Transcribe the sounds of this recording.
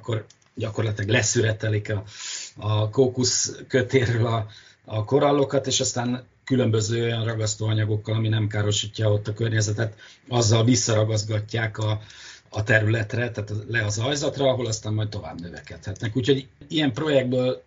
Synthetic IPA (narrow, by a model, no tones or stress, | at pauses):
kːo̞r | ɟɒko̞rlɒt̪ilɛɡlɛsyɾɛt̪ɛlikɒɒkoːkuskø̞t̪eːɾøːlɒː | ko̞ɾɒlːo̞kɒt̪eːʃɒst̪aːn | kylø̞mbø̞zøːo̞jɒnrɒɡɒst̪oːɒɲɒɡo̞kːɒlɒminɛmkaːɾo̞ʃicːɒo̞t̪ːɒkø̞rɲɛzɛt̪ɛt̪ | ɒzːɒlvisːɒɾɒɡɒzɡɒcːaːkɒː | t̪ɛɾylɛt̪rɛt̪aːt̪ɒlɛɒzɒjzɒt̪rɒɒɦo̞lɒst̪aːmːɒjt̪t̪o̞va̰ːbnøvɛkɛt̪hɛt̪nɛkuːcho̞ɟijɛmpro̞jɛɡ̚d̪̚bøːl